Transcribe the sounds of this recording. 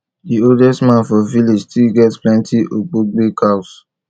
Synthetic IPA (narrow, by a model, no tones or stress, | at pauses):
dioldɛstmãnfɔvilid͡ʒstʰilɡɛtsplɛ̃ntʰiʔok͡poɡ͡bekʰaʊs